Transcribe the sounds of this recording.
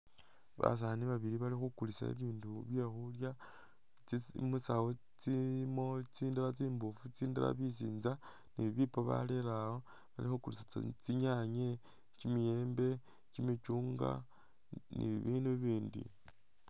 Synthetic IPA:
βa̰s̬aniβaβiɾiβalixukulisa̰ḭβiːnduβje̞xulja | t͡simusawo | t͡simo̞t͡siːndalat͡siːmbufut͡siːndala̰βis̬ḭːnza | niβipoβa̰lelawo | βalixukulisat͡siɲaɲe | cimije̞ːmbe̞ | cimit͡ʃuːŋɡa̰ | nḭβiːnduβiːndḭ

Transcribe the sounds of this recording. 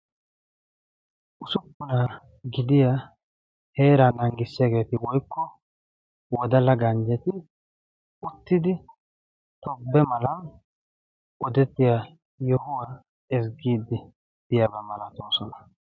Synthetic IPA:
ʔʊsʊkːʊna | ɡɪd̪ɪja | he̞ːɾanɐŋɡɪsːɪjaɡe̞ːt̪ɪwɔjkːɔ | wɔd̪ɐlɐɡɐnd͡ʒɛt̪ɪ | ʊt̪ːɪd̪ɪ | t̪ɔbːɛmɐlɐn | ʔɔd̪ɛt̪ːɪja | jɔhʊwa | ɛsɡiːd̪ɪ | b̥ɪjabɐmɐlɐt̪oːsɔnɐ̥

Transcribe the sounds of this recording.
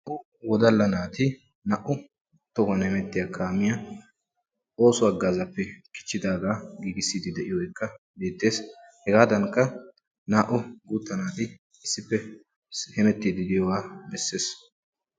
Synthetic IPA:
nʔʊ | wɔd̪ɐlːɐnaːt̪ɪ | nɐʔʊ | t̪ɔkɐnhɛmɛt̪ːɪjakʰaːmɪjɐ | o̞ːsʊɐɡːaːzɐpːɛkɪ̥t͡ʃːɪd̪aːɡaːɡiːɡɪsːiːd̪ɪd̪ɛʔɪjɔɔjkːɐ | beːt̪ːe̞ːs | hɛɡaːd̪ɐŋkːɐ | naːʔʊɡuːt̪ːɐnaːt̪ɪ | ɪsːɪpːɛ | hɛmɛt̪ːɪd̪ɪd̪ɪjɔwaːbɛsːe̞ːs

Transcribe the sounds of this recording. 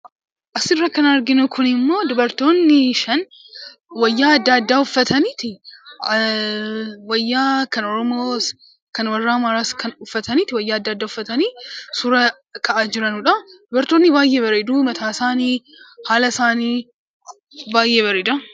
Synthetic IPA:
ʔɐsɪrːɐkɐnɐɾɡɪnʊkʰʊnɪmːo̞ːd̪ʊbɐɾt̪o̞ːnːɪʃɐn | wɐjːaːɐd̪ːaːɐd̪ːaːʊfːɐt̪ʰɐniːt̪ɪ | wɐjːaːkɐnɔɾɔmoːs | kɐnwɐrːaːmaɾaːskʰɐnʊfːɐt̪ɐniːt̪ɪwɐjːaːɐd̪ːaːd̪ːaːʊfːɐt̪ɐniːsʊɾɐ | kʰɐʔaːd͡ʒɪɾɐnʊᶑɐd̪̥ʊbɐɾt̪oːnːɪbaːjːeːbɐɾeːd̪uːmɐt̪ʰaːsaːniː | haːlɐsaːniː | baːjːeːβɐɾeːd̪ɐ

